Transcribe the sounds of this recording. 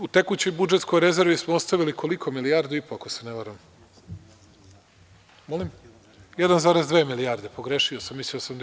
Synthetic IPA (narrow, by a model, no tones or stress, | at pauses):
ut̪e̞kut͡ɕojbud͡ʒet̪sko̞jɾe̞ze̞ɾʋismootst̪aʋilikʰo̞likʰo̞miliaːɾd̪uipoakoseneʋaɾam | mo̞lim | jed̪anzaːɾezd̪ʋeːmiliaːɾd̪e̞po̞ɡɾeʃiosamːisliosamd̪